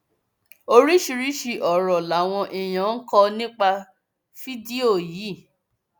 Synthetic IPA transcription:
o˧ɾi˦ʃi˧ɾi˦ʃi˧˨ʔɔ˨ɾɔ˨la˨˦w̃ɔ̃˧ʔi˨j̃ã˨˦n̩˦kɔ˧nĩ˦k͡pa˧ | fi˦di˦o˦˨jiː˨˦˨

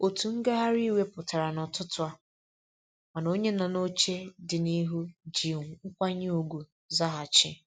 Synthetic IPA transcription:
o˨tu˨ŋ̩˦ɡe˦ɦa˦ɾi˦we˦pʊ˨ta˨ɾa˨nɔ˨tʊ˦tʊ˨˦a˦ | ma˨no˦ɲe˦na˨no˦t͡ʃe˦dɪ˨ni˦ɦu˦d͡ʒi˨ŋ˨ŋ̩˦kʷa˦ɲe˦u˨ɡʷu˨ | za˦ɦa˨t͡ʃɪ̰˦

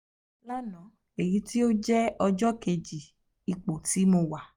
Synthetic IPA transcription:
la˦nɔ̃˨˦ | e˨jĩ˨˦ti˦o˦d͡ʒɛ˦ɔ˧d͡ʒɔ˦ke˧d͡ʒi˨ | i˨˧k͡po˨ti˨˦mo˧wa˨

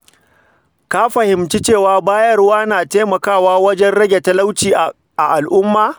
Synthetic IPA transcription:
ka˦ɸɐ˨hɪ˨mt͡ʃi˦t͡ʃeː˦˨waː˦baː˦jɐ˦rwaː˦naː˨teː˦mɐ˨kaː˦˨waː˦wɐ˦d͡ʒɛ˦nɽɐ˦ɡʲe˨ta˦la˦wt͡ʃiː˨ | ʔa˨ʔa˨lʔʊ˦mːaː˨

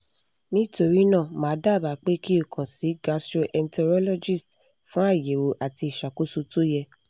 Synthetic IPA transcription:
nĩ˦to˧ɾi˦nã˦˨mãː˨˦da˦˨ba˨˦k͡pe˦ki˦o˦˨kʰã˨si˨˦ɡa˧stɾo˧ʔɛ˧ntɛ˧ɾɔ˦lɔ˦d͡ʒi˦˨st | fũ˦a˦˨je˨wo˨ʔa˨ti˧i˨ʃa˨ko˨˦su˧to˦jɛ˧

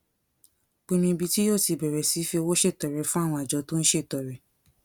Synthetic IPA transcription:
k͡pĩ˧mĩ˧bi˧ti˦joː˦˨ti˨˧˨bɛ˨ɾɛ˨si˨˦fi˧o˧wo˦ʃe˦˨tɔ˨ɾɛ˨˦fũ˦a˦˨w̃ɔ̃˧a˨d͡ʒɔ˨˦to˦ñ̩˦ʃe˦˨tɔ˨ɾɛ˨˦

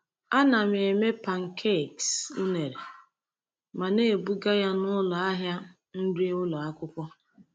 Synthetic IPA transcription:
a˦na˨m˨e˨me˦pa˨ŋ̩˨kʰe˦˨ksu˦ne˨ɾe˨ | ma˨ne˦˨bu˦ɡa˦ja˦nʊ˦lɔ˨a˦ɦja˦ | n̩˦di˦ʊ˦lɔ˨a˦kʷʊ˦kʷɔ˦

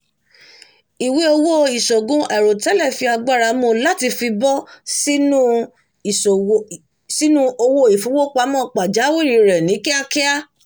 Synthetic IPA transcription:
i˨we˨˦o˧wo˦i˨ʃɔ˨ɡũ˦ʔɛ˨ɾo˨tɛ˨˦lɛ˦˨fi˧a˧ɡ͡ba˦˨ɾa˧mõ˦˧˨la˦ti˧fi˧bɔ˦si˦nũ˦˨˦ | si˦nũ˦o˧wo˧i˨fu˨˦wo˦k͡pa˧˦mɔ̃˦˨k͡pa˨d͡ʒa˨˦wi˦˨ɾi˧˨ɾɛ˨nĩ˨˦ki˦a˦kɛ˦a˦

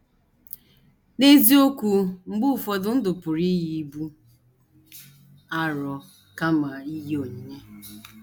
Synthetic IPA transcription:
ne˦zi˦o˦kʷu˦ŋ͡m̩˦ɡ͡bʊ˦˨fɔ˨dʊ˦n̩˦dʊ˨pʊ˨ɾi˦ji˨˦bu˦ | a˦ɾɔ˨ | ka˦ma˨i˦ɦo˨ɲi˨ɲe˦

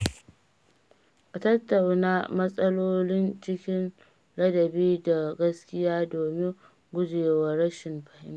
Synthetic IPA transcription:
ʔa˨tɐ˦tːɐ˨wnaː˦mɐ˦sʼɐ˦loː˦lɪ˦nt͡ʃɪ˦kʲɪ˦n | ɽɐ˦dɐ˨biː˦da˨ɡɐ˦skʲɪ˦jaː˦doː˨mɪ˦ŋ | ɡʷʊ˦d͡ʒeː˨wɐ˦ɾɐ˦ʃɪ˨mɸɐ˨hɪ˦m˦

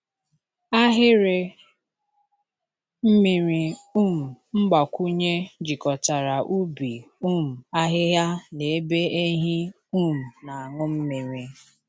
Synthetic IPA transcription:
a˦ɦɪ˦ɾe˨ | m̩˦mi˨ɾi˨u˦˨m̩˨m̩˦ɡ͡ba˨kʷu˦ɲe˦d͡ʒi˨kɔ˨ta˨ɾa˨ʔu˦bi˨u˦˨m̩˨a˦ɦɪ˦ɦja˦ne˨e˦be˦e˦ɦi˦ | u˦m̩˨na˨a˨ŋʊ˦m̩˦mi˨ɾi˨

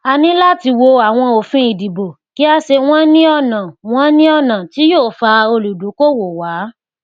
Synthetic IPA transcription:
a˧nĩ˦la˦ti˧wo˧a˨w̃ɔ̃˧o˨fĩ˧i˨di˨bo˨ | ki˦a˧ʃe˧w̃ɔ̃˦nĩ˦ɔ˧˨nã˨w̃ɔ̃˦nĩ˦ɔ˦˨nã˨ti˨˦joː˦˨fa˧o˧lu˨du˨˦ko˦˨wo˨wa˨˦

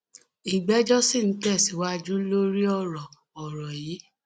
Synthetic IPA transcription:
i˨ɡ͡bɛ˨˦d͡ʒɔ˦si˦˨n̩˨˦tɛ˦˨si˨wa˦d͡ʒu˦lo˦ɾi˦ɔ˦˨ɾɔ˨ | ɔ˨ɾɔ˨jiː˨˦

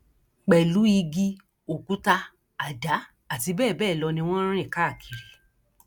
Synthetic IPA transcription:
k͡pɛ˨lu˨˦i˧ɡi˧ | o˨ku˨˦ta˧ | a˨da˨˦ | a˦˨ti˧bɛː˦˨bɛː˦˨lɔ˧nĩ˧w̃ɔ̃˦ɾ̃ĩ˦˨ka˦˨kʰi˨ɾe˨

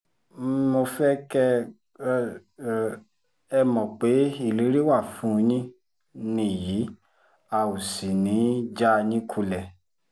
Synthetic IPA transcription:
mo˧fɛ˦kɛ˦ | ɛ˧mɔ̃˨k͡pe˨˦i˦˨le˨˦ɾi˦wa˦˨fũ˨˦˧nĩ˦ | nĩ˦˨ji˨˦ | a˦˨u˨si˨nĩ˨˦d͡ʒa˦˧nĩ˦kʰu˧lɛ˨

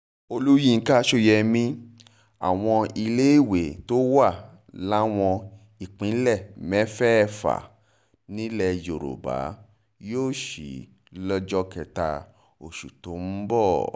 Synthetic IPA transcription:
o˧lu˦jĩ˦˨ŋ̩˦ka˦˧ʃo˦˨jɛ˧mĩ˧ | a̰˨w̃ɔ̃˧i˧le˦i˦˨we˨to˦wa˦˨ | la˦w̃ɔ̃˧ | i˨k͡pĩ˨˦lɛ˦˨mɛ˦fɛ˦˨fa̰˨ | nĩ˦lɛ˧jo˨ɾo̰˨ba̰˨˦ | joː˦˨ʃḭ˨ | lɔ˦d͡ʒɔ˦kɛ˧ta˧ | o˨ʃu˨to˨˦m̩˦bɔ˦˨

